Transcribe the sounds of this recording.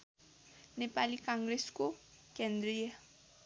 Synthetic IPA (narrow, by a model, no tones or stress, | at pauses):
nepalikãŋɡresko | kend̪rije